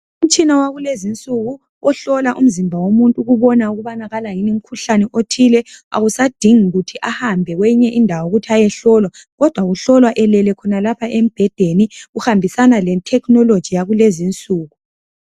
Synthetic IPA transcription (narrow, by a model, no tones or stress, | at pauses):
um̩t͡ʃʼinawaɣulezint͡sʼuɣu | ɔɬɔlaʔum̩zimbʱawomuntʼuɣuβɔnauɣuβanaɣalajinim̩kʰuɬanɛʔotʰilɛa̰ɣusad̥ʱiŋiɣutʰiʔahambʱɛwɛɲɛʔindʱawoɣutʰiajɛɬɔlwaɣɔd̥ʱwaɣuɬɔlwaʔɛlɛlɛkʰɔnalapʰaʔem̩b̥ʱɛd̥ʱeniɣuhambʱisanalɛtʰɛknɔlod̥ʒ̥ʱijaɣulezint͡sʼuːɣu